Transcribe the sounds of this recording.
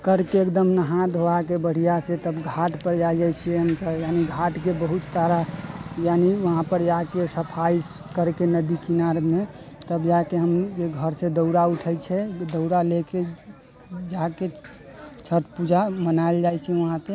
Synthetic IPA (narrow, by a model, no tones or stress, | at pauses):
kəɾkeekd̪əmnəɦãd̪ʱoakebəɽ̤ijaset̪əbɡʱaʈpəɾd͡ʒad͡ʒajt͡ʃʰiɛɦəmsəjaniɡʱaʈkebəɦut̪saɾajaniʋəɦãpəɾd͡ʒakesəpʰais | kəɾkenəd̪ikinaɾmet̪əbd͡ʒakeɦəmd͡ʒeɡʱəɾsed̪əʊɽauʈʰət͡ʃʰɛd̪əʊɽaleke | d͡ʒake | t͡ʃʰəʈpud͡ʒʱamənaeld͡ʒajt͡ʃʰɛʋəɦãt̪e